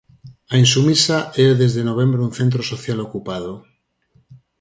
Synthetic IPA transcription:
ainsumisaʔeðezðenoβ̞e̞mbɾeunθẽnt̪̬ɾosoθjalokupað̞o

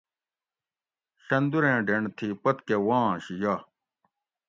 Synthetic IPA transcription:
ɕɐnd̪uɾẽːɖeɳt̪ʰipɐt̪kewãːɕija

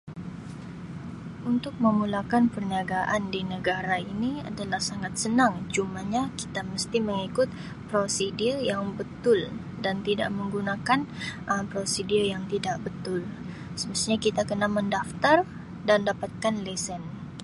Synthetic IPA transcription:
ʔunt̪ʊk̚məmulakanpərniaɡaʔandinəɡaɾainia̰dalahsaŋat̪̚sənaŋt͡ʃumaɲaki̥t̪aməst̪iməŋikʊt̪̚ | pɾosidirjaŋbət̪ʊl | dant̪ida̰ʔməŋɡunakanʔəmpɾosidirjaŋt̪idaʔbət̪ʊl | səməst̪uɲakit̪akənaməndaft̪ar | dandapat̪̚kanlɛsən

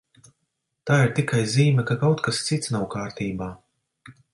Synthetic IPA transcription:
t̪aːiɾt̪ikajziːmʲɛkakawt̪kast̪sit̪snawkaːɾt̪iːbaː

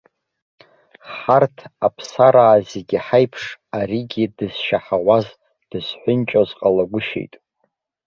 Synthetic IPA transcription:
ħartʰapʰsaɾaːzeɡʲiħajpʰʂaɾiɡʲidɨz̥ʃaħawaz | d̥ɨzħʷʊnt͡ʃʼozqʼalaɡʷʊʃḛjtʼ

